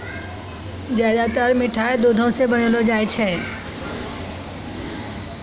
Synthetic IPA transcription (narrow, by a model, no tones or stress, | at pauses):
d͡ʒjaːd̪at̪əɾmɪʈʰaːed̪oːd̪ʱõsebəɽ̃əlod͡ʒaːjt͡ʃʰɛː